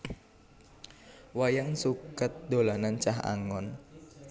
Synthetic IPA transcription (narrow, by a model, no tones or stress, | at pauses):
wajaŋsukət̪̚d̪̥olanant͡ʃaɦa̰ŋɔn